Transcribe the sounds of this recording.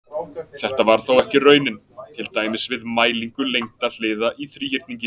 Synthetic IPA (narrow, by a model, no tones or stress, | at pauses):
θɛht̪avaɾ̥θowɛhcɪrœːɥnɪn | t̪ʰɪlt̪aːjmɪsvɪðmaːjliŋkʏlejŋt̪aðl̥eːðaʔiθɾiːçɪɾ̥t̪niɲcɪ